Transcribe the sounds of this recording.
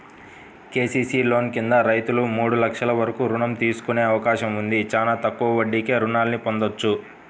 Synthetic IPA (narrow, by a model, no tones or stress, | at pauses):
ke̞ːsiːsiːlo̞ːnkind̪ɐɾɐjt̪ulumuːɽulɐkʂɐlɐʋɐɾɐkuːɾuɳɐmt̪iːsu̥kuneːɐʋɐkaːʃɐmund̪it͡ʃaːnaːt̪ɐkːuʋɐʋɐɖːikeːɾunaːlɐnipo̞nd̪ot͡ʃːu